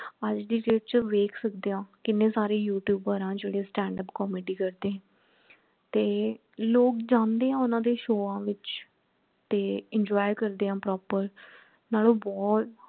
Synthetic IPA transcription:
əd͡ʒd̪iːɾeːʈ̚t͡ʃəʋeːkʰsəkd̪eːãːkɪnːẽːsaːɾeːjuːʈjuːbəːɾãːd͡ʒeːɽeːsʈɛ̃ːɳɖəpkɔːmeːɖiːkəɾd̪eːɦɛ̃ː | t̪eː | loːkd͡ʒãːnd̪eːãːʊnãːd̪eːʃoːãːʋɪt͡ʃ | t̪eːɪɲd͡ʒɔːjkəɾd̪eːãːpɾɔːpəɾ | naːlõːbɔːt̪

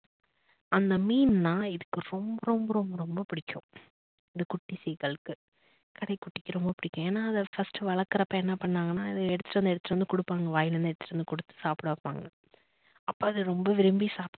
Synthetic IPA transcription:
ɐnd̪ɐmiːnnaːɪðɯkːɯɾɔmbɐɾɔmbɐɾɔmbɐɾɔmbɐpɪɽɪkʲːʊ̃ | ɪðɯkʊʈːisiːkɐɭɯkːɯ | kɐɽɐɪkːʊʈːɪkːɯɾɔmbɐpɪɽɪkʲːʊ̃eːnːaːɐðɐfɐsʈɯʋɐɭɐkːɐɾɐpːɐɛnːɐpɐɳːaːŋɡɐnaːɪðɯɛɽɯt̪ːɯʈːɾɐnd̪ɯɛɽɯt̪ːʈːɾɯnd̪ɯkɔɽɯpːaːŋɡɐʋaːjɪlɐnd̪ɯɛɽɯt̪ːɯ̥ʈɾɯnd̪ɯkʊɽɯt̪ːɯ̥saːpɽɐːpːa̰ːŋɡɐ | ɐpːoːɐðɯɾɔmbɐʋɪɾɪmbisaːp

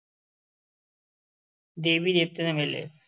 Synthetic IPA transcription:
d̪ebid̪ep̚t̪enemelḛ

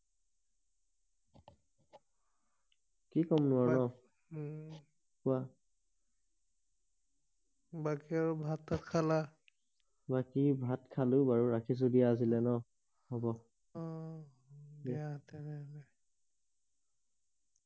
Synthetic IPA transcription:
kikɔmnʊanɔ | kua | bakiaɹbʱatːatkʰala | bakibʱatkʰalʊbaɹuɹakʰis̬odiaːs̬ilɛnɔ | hɔbɔ | ɔ | datɛnɛlɛ

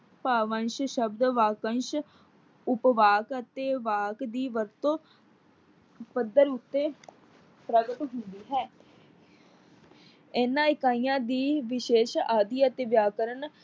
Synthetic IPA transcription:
paːʋənʃʃəbd̪ʋaːkənʃ | ʊpʋaːkət̪eːʋaːkd̪iːʋəɾt̪õː | pəd̪əɾʊt̪ːeː | pɾəɡət̪ɦʊnd̪iːɦɛː | ɛːnãːɪkaːijãːd̪iːʋɪʃeːʃaːd̪iːət̪eːʋjaːkəɾən

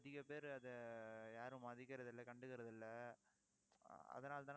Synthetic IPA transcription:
ɐðɪɣɐpeːɾɐðɐjaːɾɯ̃mɐðɪkːɪɾɐðɪlːɐkɐɳɖɯɣɪɾɐðɪlːɐ | ɐ̰ðɐnaːlt̪ãː

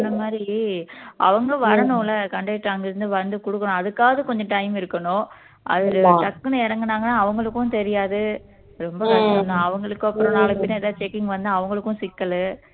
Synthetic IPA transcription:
ɐnːɐmaːd̪ɾi | ʔɐ̰ʋɐŋɡɐʋɐɾɐɳʊ̃lɐkɐɳɖɐɪʈɾaːŋɡɪɾɯnd̪ɯʋɐnd̪ɯkɔɽɯkːɐɳʊ̃ɐðɯkːaːʋɐðɐkɔɲd͡ʒɐ̃ʈɐɪmɪɾɯkːɐɳʊ̃ | ʔɐ̰ðɪltɐkːɐnɐɪɾɐŋɡɐnaːŋɡɐnaːʋɐŋɡɐɭɯkːʊ̃t̪ɛɾɪjaːðɯ | ɾɔmbɐkɐɐɐnd̪ãɐʋɐŋɡɐɭɯkːʊ̃ɐpːɯɾõnaːɭɐpːɪnɐɛðaːðɯt͡ʃekːɪŋɡʋɐnd̪ãːʋɐŋɡɐɭɯkːʊ̃sɪkːɐlɯ

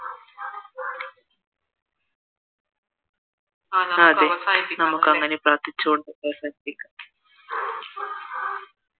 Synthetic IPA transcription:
aːd̪enɐmukkːɐŋːɐnepɾaːɾt̪it͡ɕːuoɳɖepesɐʈ̪iŋkːa

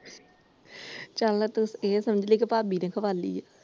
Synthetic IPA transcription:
t͡ʃəllat̪ʊseːsəməd͡ʒleːk̬epaːbiːnẽːkʰəʋaːlḭːɛː

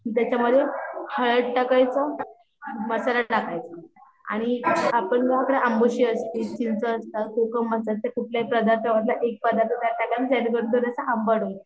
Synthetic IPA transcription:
t̪jat͡ɕaməd̪ʱːjehəɭəʈʈəkajt͡sɔ | məsalaʈakajt͡sə | a̰ɽ̃iapəɳɡɦakəɽeəmboɕiəst̪it͡ɕint͡səːst̪əkukəmːəsat̪ekuʈʰljaipɾəd̪aɾt̪ʰəʋat̪̬laʔek̚pəd̪aɾt̪ʰət̪jaʈakanid͡zaniɡəɽud̪ʱəɾasaʔəmbəɽo

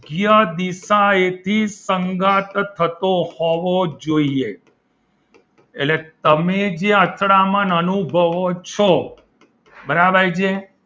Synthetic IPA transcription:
ɡjad̪isaet̪ʰisəŋɡat̪t̪ʰːət̪ohɔʋod͡ʒoie | ḛllet̪əmed͡ʒeət̪ʰɽamənənubʱəʋot͡ʃʰo | bəɾabʱajd͡ʒe

